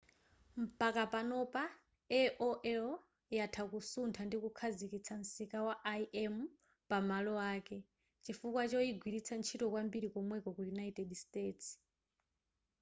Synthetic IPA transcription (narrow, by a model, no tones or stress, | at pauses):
m̩pakapanɔpa | ɛʔɔʔɛlɔ | jatʰakusuntʰandikukʰazikit͡sʰan̩sikawaʔiʔɛmu | pamalɔaːkɛ | t͡ʃifukwat͡ʃɔiɡwiɾit͡sʰant͡ʃʰitɔkwambiɾikɔmwɛkɔkujunaitɛdsteːts